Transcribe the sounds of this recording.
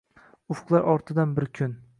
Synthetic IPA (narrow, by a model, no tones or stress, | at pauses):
ʊfqlˠaɾʔɒɾt̪ʰɪd̪anbɪɾkʲʰʊn